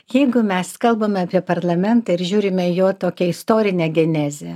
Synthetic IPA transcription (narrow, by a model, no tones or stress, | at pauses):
jɛɪɡʊmʲɛskɐlˠbɐmʲɛɐpʲiɛpɐɾlˠɐmʲɛnt̪ɐɪɾʒʲuːɾʲɪmʲɛɪjoːt̪oːkʲɛɪst̪oːɾʲɪnʲɛːɡʲɛnʲæːzʲe